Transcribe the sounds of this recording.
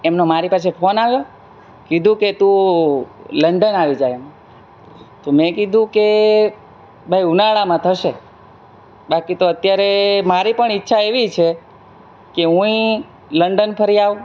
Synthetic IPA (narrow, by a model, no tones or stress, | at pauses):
emnomaɾipas̬efʰonaʋjo | kid̪ʱũket̪ũ | ləɳɖənaʋid͡ʒajemo | t̪omɛ̃kid̪ʱũke | bʱajunaɭamãt̪ʰəʃe | bakit̪oət̪jaɾemaɾipəɳitːʃʰaeʋit͡ʃʰe | keɦũĩ | ləɳɖənpʰəɾiaʋu